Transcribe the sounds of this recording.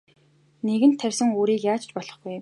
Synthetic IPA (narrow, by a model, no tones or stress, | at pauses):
neɣɘ̆nt̪ʰːærʲsɘ̆ŋuːɾiːkjaːt͡ɕt͡ɕpɔɮ̥ɞ̆χɡuj